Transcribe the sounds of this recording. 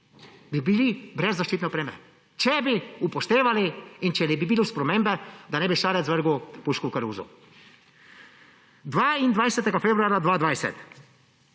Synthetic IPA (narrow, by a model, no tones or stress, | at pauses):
bibilibɾɛzːaʃt͡ʃiːt̪nɛɔpɾeːmɛ | t͡ʃɛbiupɔʃt̪eːʋaliint͡ʃɛnɛbibiluspɾɔmeːmbɛd̪anɛbiʃaːɾɛt̪zʋəɾɡupuːʃkuwkaɾuːzṵ | d̪ʋaːind̪ʋajsɛt̪ɛɡafeːbɾuaːɾjad̪ʋaːd̪ʋajsɛ̰t̪